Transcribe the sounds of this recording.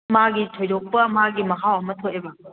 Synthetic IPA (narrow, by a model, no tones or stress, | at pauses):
maɡitʰojdok̚pɐmaɡimɐkʰawɐmɐtʰoʔebɐ